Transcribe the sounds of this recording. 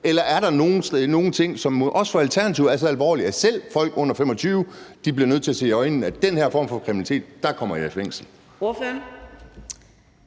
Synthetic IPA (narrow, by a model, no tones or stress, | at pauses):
elɐʔæɐɾɑ̈no̝ːn̩sno̝ːn̩t͡sʰe̝ŋ̰sɒ̽mʔɒ̽sfɒ̽ælt͡sʰæɐnæt͡sʰiʊ̰æɐs̬ɒælʋɒ̰ːliæsel̰fɒ̽l̰ɡ̥ɔ̽n̰ɐfem̰ɒ̽t͡sʰyːʊəd̥ib̥liɐnøð̰ˠt͡sʰe̝æse̝ːɒenæd̥enheɐ̰fɒ̰ːmfɒ̽kʰʁiminit͡sʰe̝̰ːd̥ːɑ̈kʰɒ̽m̰ɐjæsfeŋ̰sn̩ | oføɐ